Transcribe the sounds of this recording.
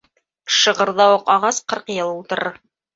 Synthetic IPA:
ʃɤ̆ʁɤ̆ɾðɑwɤqɑʁɑsqɤɾqjɤlˠulˠt̪ɤ̆ɾɤ

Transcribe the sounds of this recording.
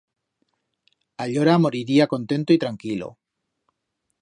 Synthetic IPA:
aʎoɾamo̞ɾiɾiako̞nt̪e̞nt̪oit̪ɾaŋkilo̰

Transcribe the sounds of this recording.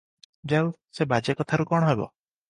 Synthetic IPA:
d͡ʒawsebad͡ʒekɔt̪ʰaɾukɔɽ̃ɔɦebɔ̰

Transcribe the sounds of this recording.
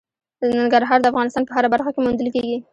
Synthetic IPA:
ənaŋɡaɾɦɑɾd̪əafɣɑnɪst̪ɑnpəɦaɾabaɾxakemund̪əlkeɡi

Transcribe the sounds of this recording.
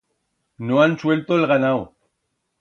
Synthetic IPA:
noanswelt̪oelɣanaw

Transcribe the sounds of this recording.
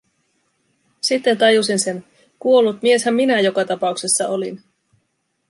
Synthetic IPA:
sit̪ːe̞nt̪ɑjusinse̞n | kuo̞lːut̪mie̞shæmːinæjo̞kɑt̪ɑpɑukse̞sːɑʔo̞lin

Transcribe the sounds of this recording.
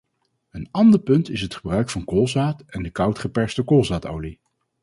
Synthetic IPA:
ənɑndəɹpɵntɪsɦətχəbrœɥkfɑnkolˠzaːtɛndəkɑwtχəpɛɹstəkolˠzaːto̰wli

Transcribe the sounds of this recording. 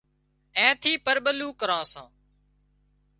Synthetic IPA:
ɛ̃ːt̪ʰiːpəɾɓəluːkəɾãːsãː

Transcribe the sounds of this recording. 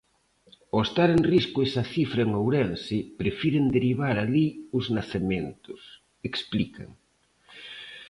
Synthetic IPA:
oest̪aɾenriskʊesaθifɾɐeŋowɾensɪpɾefiɾend̪eɾiβ̞aɾaliʊznaθemẽnt̪ʊs | eksplika̰ŋ

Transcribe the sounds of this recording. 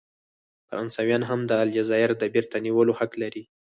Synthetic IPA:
faɾʔɑnsɑwjɑnɦamd̪əald͡ʒazɑjɪɾd̪əbiɾt̪aniwəlohaklaɾi

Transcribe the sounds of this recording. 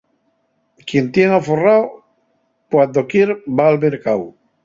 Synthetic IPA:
kjent̪jeŋaforao | kwand̪okjeɾbaːlβeɾkaw

